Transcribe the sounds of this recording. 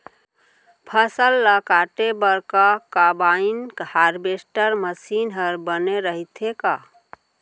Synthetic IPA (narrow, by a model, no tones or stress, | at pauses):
pʰəsəlːəkaʈebəɾkakabainkhaɾbesʈəɾməsinɦəɾbəneɾəɦit̪ʰeka